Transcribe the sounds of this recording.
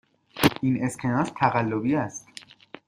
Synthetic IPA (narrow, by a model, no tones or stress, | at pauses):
ʔine̞skʰenɒːst̪ʰæɣælːobiæst̪